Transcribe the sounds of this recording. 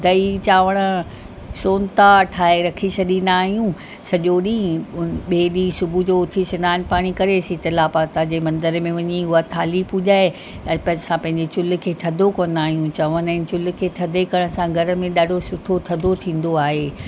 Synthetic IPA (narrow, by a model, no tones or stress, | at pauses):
d̪ɐit͡ɕaːʋəɽ̃ə̆ | soːnt̪aʈʰaːeɾɐkʰisɐɗ̪inaːɦijũ | sɐʄoɗĩːɓeːɗisʊbʱud͡ʑoːʊt̪ʰisɪnaːnpaːɽ̃ikɐɾesit̪ɐlaːpaːt̪ad͡ʑemɐ̃nd̪əɾmẽʋɐɲiʊɦat̪ʰaːlipuʄaːe | ɐpɐsãpɐ̃ɦɪ̃ɲd͡ʑet͡ɕʊl̆kʰeːt̪ʰɐd̪ʱokoːn̆d̪aːɦijũt͡ɕɐʋənɛːnt͡ɕʊl̆kʰeːt̪ʰɐd̪ʱekɐɽ̃əsãɡʱɐɾə̆mẽɗaːɖʱosʊʈʰot̪ʰɐd̪ʱot̪ʰĩːn̆d̪oaːɦeː